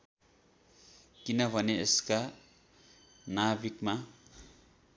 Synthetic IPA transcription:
kinabʱʌneeska | nabikma

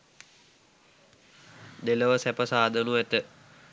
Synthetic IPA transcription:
d̪eləʋəsæpəsaːd̪ənuʋæt̪ə

